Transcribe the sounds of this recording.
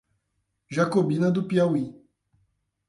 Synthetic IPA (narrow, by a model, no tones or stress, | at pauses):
ʒakobinad̪upjawi